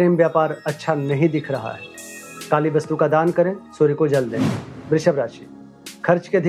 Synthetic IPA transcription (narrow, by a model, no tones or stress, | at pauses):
ɾeːmʋjaːpaːɾɐtːʃʰanɐɦĩd̪ɪkʰɾɐɦa̰ɦɛːkaːliʋɐst̪ukad̪aːnkɐɾẽːsoːɾikod͡ʒɐld̪ḛ̃ːbɾɪʃəbɾaːʃiː | kʰɐɾt͡ʃked̪ʱɪ